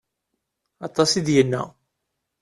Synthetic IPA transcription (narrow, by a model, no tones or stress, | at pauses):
ɑt̪ˤːɑsid̪jənːæ̰